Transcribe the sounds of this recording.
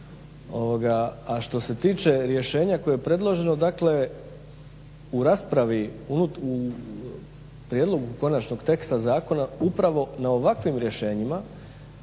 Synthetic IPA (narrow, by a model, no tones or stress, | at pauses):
oʋoɡaːʃt̪o̞se̞t̪iːt͡ʃe̞ɾje̞ʃe̞ːɲako̞jejepɾe̞d̪lˠo̞ʒe̞no̞d̪akle̞ | uɾaːspɾaʋiunuu | pɾjed̪lˠo̞ɡuko̞nat͡ʃno̞ɡt̪e̞kst̪azaːko̞naupɾaʋo̞nao̞ʋakʋimɾje̞ʃe̞ːɲima